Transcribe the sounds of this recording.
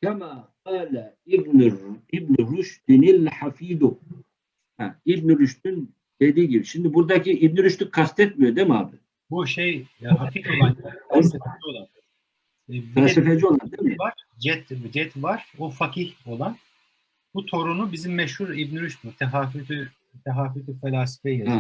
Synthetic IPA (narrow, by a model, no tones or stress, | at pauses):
kʰɛmaːqaːlɛ | bnibniɾuʃd̪inilħafiːd̪u | hæ̰ibniɾyʃt̪yn | d̪̥e̞d̪iːɟibiʃimd̪ibuɾd̪acʰiibnyɾyʃt̪ykʰast̪ʰɛt̪mijod̪emia̰ːbɪ | buʃejɦafifolˠan | d͡ʒolˠan | fɛlʲasifed͡ʒio̞lˠand̪emiaɾd͡ʒɛt̪d͡ʒɛt̪ʰvaɾ̥ofakʰiho̞lˠan | b̥ut̪ʰo̞ɾunubizimːɛʃhuɾibniɾyʃd̪int̪ʰɛɦaːfyt̪y | t̪ʰɛɦaːfyt̪yfɛlʲaːsi̥fɛjaa